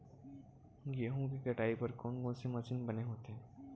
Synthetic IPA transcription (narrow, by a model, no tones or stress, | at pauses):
jeːɦõkikɐʈaːipɐɾkɔːnkɔ̃ːnsemɐt͡ʃɪnbɐneɦoːt̪eɦɛ̃ː